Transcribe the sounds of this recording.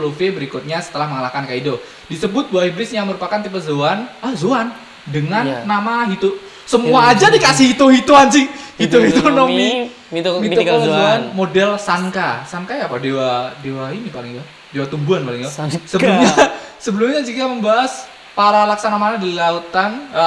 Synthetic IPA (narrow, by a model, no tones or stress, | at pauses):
lofebəɾikʊt̪̚ɲasə̥t̪əlahməŋalahkankaido | disəbʊt̪̚buahibɾɪsjaŋməɾupakant̪ipət̪zoanahzoan | dəŋanːamaɦit̪u | səmuaːd͡ʒadikasɪhit̪oɦit̪uant͡ʃɪŋhit̪oɦitt̪unomi | miuazoanmodɛlsaŋkasaŋkajapadewadewainipalɪŋt̪ʊ | dewat̪umbuanpalɪŋt̪osəbəlumɲasəbəlumɲad͡ʒikaməmbaɦas | paɾalaksanamanadilaut̪ːanə